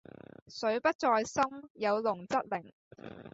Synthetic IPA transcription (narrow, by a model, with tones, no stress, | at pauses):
sɵ˨˥ɥpɐ˥t̚t͡sɔː˧jsɐ˥mjɐ˨˧wlʊ˨˩ŋt͡sɐ˥t̚lɪ˨˩ŋ